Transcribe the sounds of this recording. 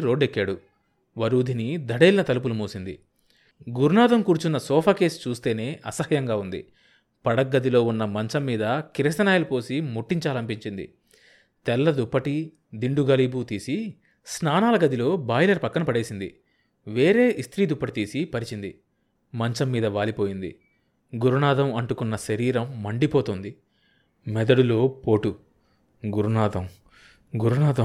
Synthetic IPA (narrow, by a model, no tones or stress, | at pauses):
ɾoːɖekːaːɽu | ʋɐɾuːd̪ʱinid̪ʱɐɽeːlinɐt̪ɐlup̬ulumuːsind̪ḭ | ɡuɾunaːd̪ɐmkuːɾut͡ʃunːɐsɔːpʰaːke̞ːst͡ʃuːst̪e̞ːne̞ːʔɐsɐhɐjɐŋɡaːund̪ḭ | pɐɽɐk̚ɡɐd̪ilo̞ːunːɐmɐɲt͡ʃɐmːiːd̪ɐkiɾɐst̪ɐnaːjɐlupo̞ːsimuʈːiɲt͡ʃaːlɐmpiɲt͡ʃind̪ḭ | t̪ɛlːɐd̪upːɐʈi | d̪iɳɖuɡɐliːbut̪iːsi | snaːnaːlɐɡɐd̪ilo̞ːbaːjlɐɾpɐkːɐnɐpɐɽe̞ːsind̪ḭ | ʋe̞ːɾe̞ːʔist̪ɾiːd̪upːɐʈit̪iːsipɐɾit͡ʃind̪ḭ | mɐɲt͡ʃɐmːiːd̪ɐʋaːlipo̞ːjind̪ḭ | ɡuɾunaːd̪ɐmɐɳʈukunːɐʃɐɾiːɾɐmːɐɳɖipoːt̪oːnd̪i | mɛd̪ɐɽulo̞ːpo̞ːʈu | ɡuɾunaːd̪ɐm | ɡuɾunaːd̪ɐ